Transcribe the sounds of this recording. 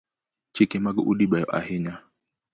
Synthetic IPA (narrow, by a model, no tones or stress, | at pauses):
t͡ʃikɛmaɡuʔuɗibɓajɔ̰ʔa̰hiɲa